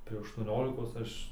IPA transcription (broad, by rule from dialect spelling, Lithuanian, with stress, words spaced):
tɐɪ ɐʃtuɔˈnʲoːlʲɪkoːs ˈɐʃ